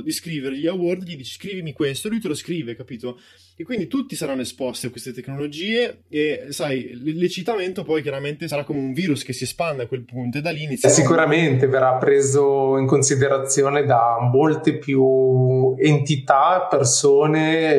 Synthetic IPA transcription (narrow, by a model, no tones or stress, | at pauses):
d̪iskɾiːveɾeʎiawɔrd̪ʎid̪it͡ʃe̥skɾiːvimikwest̪olujt̪eloskɾiːvekapiːt̪o | ekːwind̪it̪ut̪ːisaɾanːoespɔst̪iakwest̪et̪eknolod͡ʒiːeesajlet͡ʃit̪ament̪opɔjkjaɾament̪esaɾakːomeuɱviːɾuskesːiespand̪eakwelpunt̪oed̪alːinit̪sjsikuɾament̪everapːɾeːzoiŋkonsid̪eɾat̪sːjoːned̪amolt̪epju | ent̪it̪apersoːne